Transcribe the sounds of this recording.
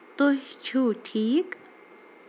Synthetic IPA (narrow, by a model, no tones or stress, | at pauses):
t̪oɦt͡ʃʰuʈʰiːk